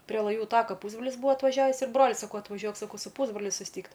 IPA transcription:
pʲrʲiɛ lˠɐˈjuː ˈtɑːkɐ ˈpuːzbroːlʲɪs ˈbʊʋoː ɐtʋɐˈʒʲæːʋʲiːs ɪr ˈbroːlʲʊɪ sɐˈkɐʊ ɐtʋɐˈʒʲuɔk sɐˈkɐʊ sʊ ˈpuːzbroːlʲʊ sʊsʲˈtʲiːkt

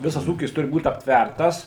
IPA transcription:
ˈʋʲɪsɐs ˈuːkʲɪs ˈtʊrʲɪ buːt ɐpʲtʲˈʋʲærtɐs

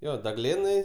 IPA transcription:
ˈjoː dɐˈɡlʲeːnɐɪ

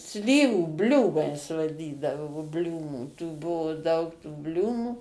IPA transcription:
ˈsʲlʲiːʋuː ˈbʲlʲuːmɐɪs ʋɐˈdʲiːdɐʋoː ˈbʲlʲuːmuː tuː ˈbʊʋʊ dɐʊk tuː ˈbʲlʲuːmuː

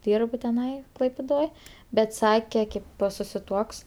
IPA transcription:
ˈdʲiːrp tʲɪˈnɐɪ klˠɐɪpʲɪˈdoːj ˈbʲɛt ˈsɑːkʲɛ ˈkʲeːp poː sʊsʲɪ tuɔks

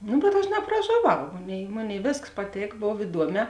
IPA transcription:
ˈnʊ bʲɛt ˈɐʃ nɐprɐʒoːˈʋɐʊ ˈmoːˌnʲeːɪ ˈmoːˌnʲeːɪ ˈʋʲeːskɐs pɐˈtʲeːk ˈboːw ɪˈduɔˌmʲɛː

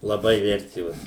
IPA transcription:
lˠɐˈbɐɪ ˈʋʲɛrʲtʲeːʋoːs

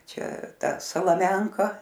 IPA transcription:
ˈt͡ʃʲɛ ˈtɐ sɐlˠɐˈmʲɛŋkɐ

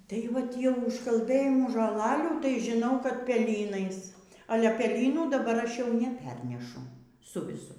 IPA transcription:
tɐɪ ˈʋɐt tʲiɛ ʊʃkɐlˠˈbɘjɪmuː ʒoːˈlˠɑːlʲuː tɐɪ ʒʲɪˈnɐʊ kɐt pʲɛˈlʲiːnɐɪs ɐˈlʲɛ pʲɛlʲiːˈnuː dɐˈbɐr ˈɐʃ jɛʊ nʲɛˈpʲɛrʲnʲɛʃʊ ˈsʊ ʋʲɪˈsʊ

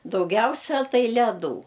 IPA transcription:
dɐʊˈɡʲɛʊsʲɛ ˈtɐɪ lʲɛˈduː

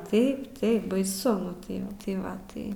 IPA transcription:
ˈtɐɪp ˈtɐɪp bɐɪˈsʊ ˈnʊ tɐɪ ˈʋɐ tɐɪ ˈʋɐ ˈtɐɪ

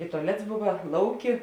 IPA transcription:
ɪ tʊɐˈlʲɛts ˈbʊʋɐ ˈlˠɐʊˌkʲɪ

